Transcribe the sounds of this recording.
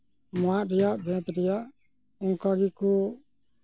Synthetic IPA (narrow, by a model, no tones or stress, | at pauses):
mãɾɪjabʱɛ̃ːt̪ɾɪja | ũŋkaɡiku